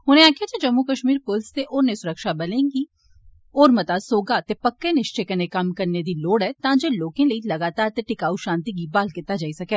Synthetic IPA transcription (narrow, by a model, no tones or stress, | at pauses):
ʊnẽaːkijad͡ʒed͡ʒɐmːukɐʃmiːɾpolst̪eʔɔːɾnesʊɾəkʃabɐlẽːŋɡi | ɔːɾmɐt̪asoːɡat̪epɐkːenɪʃt͡ʃekɐnekɐmkɐɾned̪iloːɽɦɛt̪ãd͡ʒeloːkẽlɐilɐɡaːt̪aːɾt̪eʈɪkaːuʃãːnt̪iɡibaːlkɪt̪ːad͡ʒaːisɐkeː